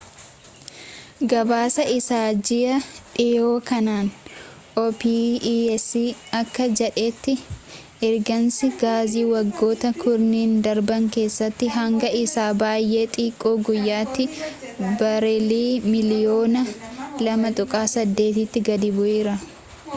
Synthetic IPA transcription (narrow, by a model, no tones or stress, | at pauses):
ɡɐbaːsɐʔɪsaːd͡ʒɪjɐᶑɪjoːkɐnaːn | oːpiɛsːiːɐkːɐd͡ʒɛᶑe̞ːt̪ːɪ | ɛɾɡɐnsɪɡaːziːwɐɡːo̞ːt̪ɐkʰʊɾniːnd̪ɐɾbɐŋke̞ːsːɐt̪ːɪɦɐŋɡɐɪsaːbaːjʔe̞ːt̪ʼiːkʼːoːɡʊjːaːt̪ːɪ | bɐɾeliːmɪlɪjo̞ːnɐlɐmɐt̪ʼʊkʼaːsɐd̪ːe̞ːt̪ɪt̪ːɪɡɐd̪ɪbʊʔeːɾɐ